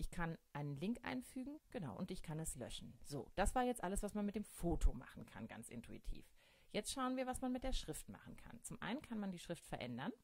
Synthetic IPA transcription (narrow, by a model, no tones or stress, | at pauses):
ʔɪçkʰanʔaɪnənlɪŋkʔa̰ɪnfyːɡŋ̩ɡ̥ənaʊʔʊntɪçkʰanɛslœ̰ʃn̩z̥o̰ːd̥asv̥aːɐjɛt͡stʔaləsv̥asmanmɪt̚d̥eːmfoːtʰoma̰χn̩kʰa̰nɡa̰nt͡sʔɪ̰ntʰuḭtʰḭːf | jɛt͡stʃaʊənviːɐvasmanmɪt̚d̥eːɐʃʁ̥ɪftma̰χn̩kʰa̰nt͡sʊmʔa̰ɪnənkʰanmandiːʃʁ̥ɪftfɛɐʔɛ̰ndɐn